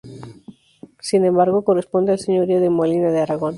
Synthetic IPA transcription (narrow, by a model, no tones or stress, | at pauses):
sinẽmbaɾɣ̞okorespo̞nd̪ealseɲoɾioðemolinaðeaɾaɣon